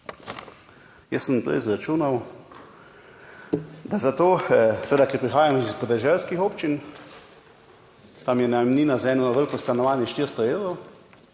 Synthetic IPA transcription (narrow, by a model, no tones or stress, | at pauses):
jɛsːənpɾɛ̰ɪzɾat͡ʃuːnaw | d̪azat̪oːsʋeːd̪akɛɾpɾixaːjamɔispɔd̪ɛʒɛlskixoːpt͡ʃin | t̪amjɛnamniːnazaɛːnɔnaʋəɾkost̪anɔʋaːnjɛʃt̪iɾst̪ɔeːwɾow